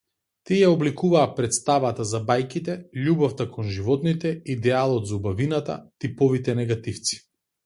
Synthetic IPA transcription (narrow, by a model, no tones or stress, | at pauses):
t̪iɛjaɔblikuvaːpɾɛt̪st̪avat̪azabajkit̪ɛʎubɔft̪akʰɔnʒivɔt̪nit̪ɛid̪ɛalˠɔt̪zaubavinat̪a̰t̪ipɔvit̪ɛnɛɡat̪ift̪si̥